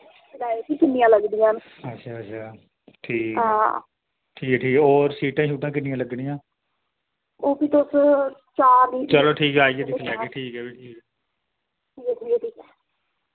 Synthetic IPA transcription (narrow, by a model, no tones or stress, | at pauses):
laːekiːkɪnːɪjãːləɡd̪ijãːn | ətːʃʰaːətːʃʰaː | ʈʰiːkɦã | ʈʰiːkɛʈʰiːkoːɾsiːʈãːʃuːʈãːkɪnːɪjãːləɡɽɪjãː | oːpiːt̪ʊs | t͡ʃaːniːt͡ʃəloːʈʰiːkaːiːɛːd̪ɪkʰlɛːeːʈʰiːkɛːbiːʈʰiːkɛː | ʈʰiːkɛːʈʰiːkɛːʈʰiːkɛː